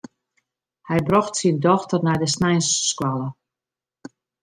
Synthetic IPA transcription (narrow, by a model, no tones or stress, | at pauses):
hɛjbrɔxtsindɔxtərnɛjdəsnɛjnsskwalə